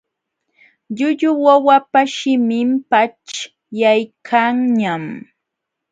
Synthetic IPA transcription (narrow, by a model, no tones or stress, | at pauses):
ʎʊʎʊwawapaʃɪmɪmpat͡ʃ | jajkʰaŋɲam